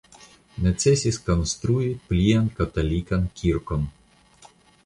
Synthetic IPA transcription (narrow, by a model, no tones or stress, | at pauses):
nɛt̪sʲɛsʲiskɐnst̪ɾujit̪̚plʲiɛnkɐt̪ɐlʲikɐnkʲʰiɾkɔn